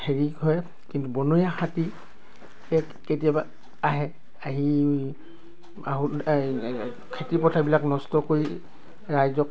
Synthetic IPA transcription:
heɹikɦɔjɛ | kintubɔnujaxati | ɛkketijaba | aɦɛ | aɦi | aɦu | kʰetipɔtʰabilaknɔstɔkoɹi | ɹajzɔk

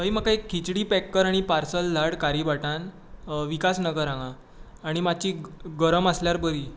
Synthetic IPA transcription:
əɦimakaekʰːit͡ɕɽiːpɛkːəɾaɽ̃ipaɾsəld̪ʱaɽkaɾibaʈãn | ʋikasnəɡəɾãŋãː | ɽ̃imat͡ɕiːɡəɾəməsljaɾbəɾiː

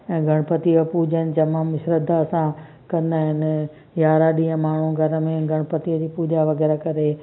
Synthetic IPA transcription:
ɛ̃ːɡʱɐɽ̃pət̪iəpuːd͡ʑənɪ̆d͡ʑɐmãːmɪʃɾəd̪ʱasã | kɐ̃nd̪aːɦɪnɪ̆ | jaːɾaɗiɦə̃maːɳ̤ũɡʱɐɾə̆mẽɡʱɐɽ̃pət̪iəd͡ʑiːpuːd͡ʑaʋɐɣɛːɾakɐɾe

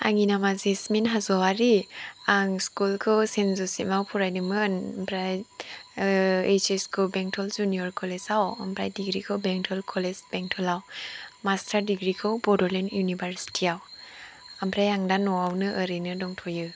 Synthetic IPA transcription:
a̰ŋinamazisminɦazɔaɾiaŋskulkʰɯwsenzɔsimawpʰuɾajnɯmɯnampʰɾaj | et͡ʃeskʰubeŋtʰɔld͡ʒunijɔɾkʰɔlezawampʰɾa̰jdiɡɾikʰɯwbeŋtʰɔlkʰɔlezbeŋtʰɔlawmastʰaɾdiɡɾikʰɯwbɔdɔlenjunibaɾsi̥tʰiaw | ampʰɾajaŋdanɔawnɯʔəɾɯnɯdɔŋtʰɔjɯ

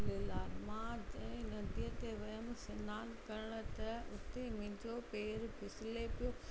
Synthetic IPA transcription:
lelaːlmãd͡ʑɐ̃nɐd̪iɦt̪eʋɐɦəmsɪnaːnkɐɾɪɽ̃ʊ̆t̪ɐʊt̪emɪ̃ːd͡ʑopeːɾbʰɪsɪlepijo

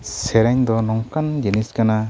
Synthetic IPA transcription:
sɛɾajɲd̪ɔnɔŋkand͡ʒeniskana

